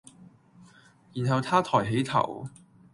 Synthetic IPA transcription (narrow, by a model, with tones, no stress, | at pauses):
jiː˨˩nɦɐ˨˧wt̪ʰaː˥t̪ʰɔː˨˩jɦe˨˥jt̪ʰɐ̰˨˩w